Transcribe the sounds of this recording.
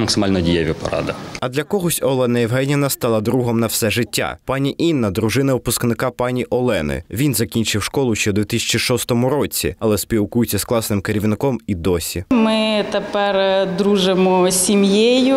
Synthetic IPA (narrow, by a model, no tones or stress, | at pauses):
mɐksɪmɑlʲnɔdʲijaʋʲɪpɐ̰ɾɑ̰d̪ɪɐd̪lʲɐkɔɦɔsʲɔlˠɛnɐjɛwɦɛnʲɪnɐst̪ɑlˠɐd̪ɾuɦɔmnɐwsɛʒɪtʲːa̰pɑnʲiʔinːɐd̪ɾʊʒɪnɐʊpʊsknɪkɑpɑnʲiʔɔlˠɛnɪ̰ʋʲinzɐkʲinʲt͡ʃɪwʃkɔlˠʊʃt͡ʃɛd̪ʲʋʲit̪ɪsʲɐ̥t͡ʃiʃɔst̪ɔmʊɾɔt͡sʲḭɐlˠɛspʲiwkujʊt͡sʲːɐsklˠɑsnɪmkeɾʲiʋnɪkɔmid̪ɔsʲimɪt̪epɛrd̪ɾuʒɪmɔsʲimjejʊ